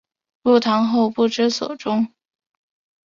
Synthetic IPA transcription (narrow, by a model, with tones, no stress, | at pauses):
lu˥˩t̪ʰɑ˧˥ŋxo˥˧ʊpu˥˩ʈ͡ʂɻ̩˥sɔ˨˩ʊʈ͡ʂʊ˥ŋ